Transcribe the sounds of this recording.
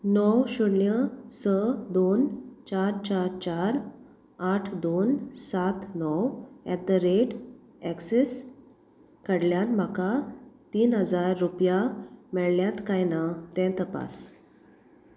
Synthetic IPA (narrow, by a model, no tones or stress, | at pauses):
nɔwɕuɽnjəsəd̪ont͡ɕaɾt͡ɕaɾt͡ɕaɾ | aʈʰd̪onsat̪nɔwɛt̪̚d̪əɾeʈ | ɛkses | kəɽljanm̤akat̪iːnɦəd͡zaɾːupjamɛɭljat̪kajnat̪ɛ̃t̪əpa̰s